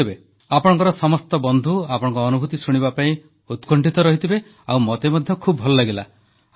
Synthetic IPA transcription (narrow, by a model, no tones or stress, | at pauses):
ibe | apɔɽ̃ɔŋkɔɾɔsɔmɔst̪ɔbɔnd̪ʱuapɔɽ̃ɔ̃ŋkɔːnubʱut̪isuɽ̃iβapaĩ | ut̪kɔɳʈit̪ɔɾɔɦit̪ʰibe | awmɔt̪emɔd̪ʱjɔkʰubbʱɔlɔleɡela̰